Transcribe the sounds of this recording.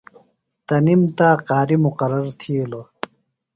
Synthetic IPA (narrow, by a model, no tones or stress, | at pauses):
t̪ɐnimt̪aːqaːɾimuqɐɾɐɾt̪ʰilo